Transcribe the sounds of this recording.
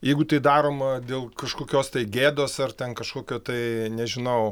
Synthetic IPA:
jɛɪɡʊt̪ɐɪd̪ɑːɾoːmɐd̪ʲeːlˠkɐʃkoːkʲoːst̪ɐɪɡʲeːd̪oːsɐrt̪ʲɛnkɐʃkoːkʲoːt̪ɐɪnʲɛʒʲɪnɐʊ

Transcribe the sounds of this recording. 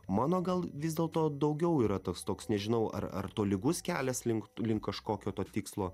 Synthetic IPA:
mɑːnoːɡɐlˠʋʲɪzʲd̪ʲeːlˠt̪oːd̪ɐʊɡʲɛʊiːɾɐt̪oːkst̪oːksnʲɛʒʲɪnɐʊɐ̰ɾɐ̰ɾt̪oːlʲɪɡʊskʲæːlʲɛslʲɪŋklʲɪŋkkːɐʃkoːkʲoːt̪oːt̪ʲiːkslˠoː

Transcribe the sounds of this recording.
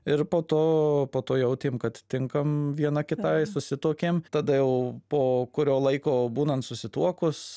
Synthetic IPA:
ɪɾpoːt̪oːpoːt̪oːjɛʊt̪ʲeːmkɐt̪ʲt̪ʲɪŋkɐmʋʲiɛnɐkʲɪt̪ɐsʊsʲɪt̪uɔkʲeːmt̪ɐd̪ɐjɛʊpoːkʊɾʲoːlˠɐɪkoːbuːnɐnt̪sʊsʲɪt̪uɔkʊs

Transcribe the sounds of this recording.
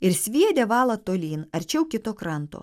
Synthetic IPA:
ɪɾsʲʋʲiɛd̪ʲɛʋɑːlˠɐt̪oːlʲiːnɐɾʲt͡ʃʲɛʊkʲɪt̪oːkɾɐnt̪o̰ː

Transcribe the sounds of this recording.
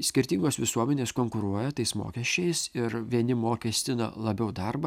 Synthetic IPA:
sʲkʲɪɾʲt̪ʲiŋɡoːsʋʲɪsuɔmʲɛnʲeːskoːŋkʊɾuɔjɛt̪ɐɪsmo̰ːkʲɛʃʲt͡ʃʲɛɪsɪɾʋʲiɛnʲɪmoːkʲɛsʲt̪ʲɪnɐ̰lˠɐbʲɛʊd̪ɐrbɐ

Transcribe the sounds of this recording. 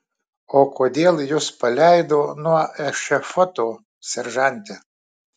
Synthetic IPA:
oːkʰoːd̪ʲeːlˠjʊspɐlʲæˑɪd̪oːnuɔɛʃʲɛfɔt̪oː | sʲɛɾʒɑnʲt̪ʲɪ

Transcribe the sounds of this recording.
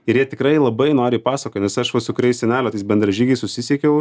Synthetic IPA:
ɪɾjiɛt̪ʲɪkɾɐɪlˠɐbɐɪnoːɾʲɪːpɑːsɐkoːt̪nʲɛsɐʃʋɐsʊkɾʲɛɪsʲɛnʲæːlʲot̪ɐɪsbʲɛnd̪ɾɐʒʲiːɡʲɐɪsʊsʲɪsʲiɛkʲɛʊ

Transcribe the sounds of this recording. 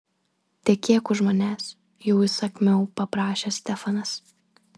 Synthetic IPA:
t̪ʲɛkʲeːkʊʒmoːnʲæːs | jɛʊɪsɐkmʲɛʊpɐpɾɑːʃʲesʲt̪ʲɛfɐnɐs

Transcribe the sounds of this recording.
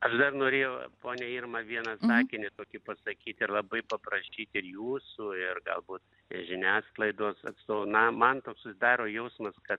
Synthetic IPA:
ɐʃd̪ɐrnoːɾʲeːjɛʊpoːnʲɛiːrmɐʋʲiɛnɐsɑːkʲɪnʲɪt̪oːkʲɪpɐsɐkʲiːt̪ɪɾlˠɐbɐɪpɐpɾɐʃʲiːt̪ʲɪrjuːsuɪrɡɐ̰lˠbuːt̪ | ʒʲɪnʲæːsklˠɐɪd̪oːsɐ̰t̪st̪oːnɐmɐnt̪oːksʊsʲɪd̪ɑːɾoːjɛʊsmɐskɐt̪̚

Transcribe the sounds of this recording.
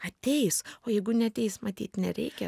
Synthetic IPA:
ɐt̪ʲɛɪsoːjɛɪɡʊnʲɛɐt̪ʲɛɪsmɐt̪ʲiːt̪nʲɛɾʲɛɪkʲɛ

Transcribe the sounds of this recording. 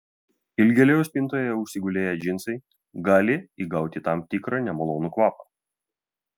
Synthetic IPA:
ɪlʲɡʲɛlʲɛjʊsʲpʲɪnt̪oːjoːjɛʊʃʲsʲɪɡʊlʲeːjɛd͡ʒʲɪnsɐɪ | ɡɑːlʲɪiɡɐˑʊt̪ʲɪt̪ɐmt̪ʲɪkɾɑnʲɛmɐlˠoːnukʋɑːpɐ

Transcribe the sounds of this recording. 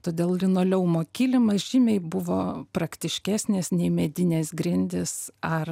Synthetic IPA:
t̪oːd̪ʲeːlˠlʲɪnoːlʲɛʊmoːkʲiːlʲɪmɐsʒʲɪmʲɛɪbʊʋoːpɾɐkt̪ʲɪʃʲkʲæːsʲnʲeːsnʲɛɪmʲɛd̪ʲɪnʲeːsɡɾʲɪnʲd̪ʲɪsɐr

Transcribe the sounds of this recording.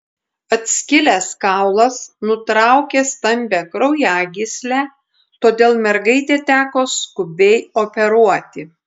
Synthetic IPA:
ɐt̪ʲsʲkʲɪlʲæskɑˑʊlˠɐsnʊt̪ɾɑˑʊkʲeːst̪ɐmʲbʲæːkɾɐʊjæːɡʲɪsʲlʲæː | t̪oːd̪ʲeːlˠmʲɛɾɡɐɪt̪ʲeːt̪ʲæːkoːskʊbʲɛɪoːpʲɛɾuɔt̪ʲɪ

